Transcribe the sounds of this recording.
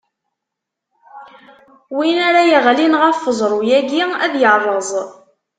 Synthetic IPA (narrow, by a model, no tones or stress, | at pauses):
winæɾajəʁlinʁəfːəzˤɾˤujæɡiæðjərˤːəzˤ